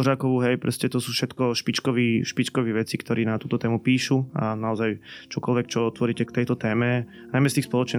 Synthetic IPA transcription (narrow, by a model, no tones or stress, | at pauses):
ʒaːkɔʋuɦɛjpɾɔ̰scɛt̪ɔsuːfʃɛt̪kɔʃpit͡ʃkɔʋiʃpit͡ʃkɔʋiʋɛt͡sikt̪ɔɾiːnat̪uːt̪ɔt̪ɛːmupiːʃua̰naɔzajt͡ʃɔkɔlʋɛk̚t͡ʃɔɔt̪ʋɔɾiːcɛkt̪ɛjt̪ɔt̪ɛːmɛ | najmɛst̪iːxspɔlɔt͡ʃɲɛ